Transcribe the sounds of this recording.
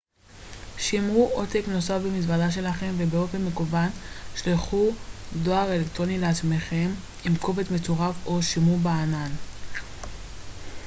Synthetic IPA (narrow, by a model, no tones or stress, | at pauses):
ʃimuʔotekno̞safbemisvadaʃ̬e̞laχe̞mvebeo̞fenːekuvanʃliχudo̞aʁe̞lektʁonileat͡smeχe̞m | imkovetmet͡soʁafo̞ʃimubaanan